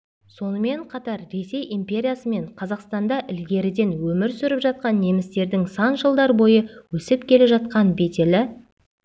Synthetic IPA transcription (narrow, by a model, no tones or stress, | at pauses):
so̞nəme̞ɴqʰɑt̪ɑɾɾe̞se̞jʔimpʲe̞ɾʲijasəme̞ɴqʰɑzɑqst̪ɑnd̪ɑʔɪlɡʲe̞ɾɪd̪e̞nwɵmɪɾsʏɾɪpʒɑt̪̚qɑnːe̞mɪst̪e̞ɾd̪ɪŋsɑnʒəlˠd̪ɑɾbo̞jəwɵsɪpkʲʰe̞leʒɑt̪̚qɑnbe̞t̪ʲe̞lɪ